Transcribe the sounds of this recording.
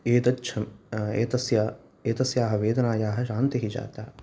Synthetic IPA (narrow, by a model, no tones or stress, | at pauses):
eːt̪ɐtːʃʰɐmḛːt̪ɐsjaː | eːt̪ɐsjaːɦɐʋeːd̪ɐnaːjaːɦɐ̆ʃaːnt̪iɦid͡ʒa̰ːt̪a̰ː